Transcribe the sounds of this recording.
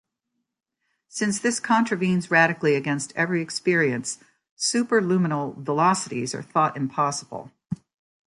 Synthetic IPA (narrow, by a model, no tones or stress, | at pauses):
sɪ̃nsðɪskʰɑ̃ntɹ̥ɨvĩnzɹæɾɨkliɨɡɛ̃nstʰɛvɹiɨkspɪɹiɨ̃ns | ʉpə˞lʉmənl̩ˠvəlɑsəɾḭzə̰˞θɔɾɨ̰̃mpʰɑsəb̥l̩ˠ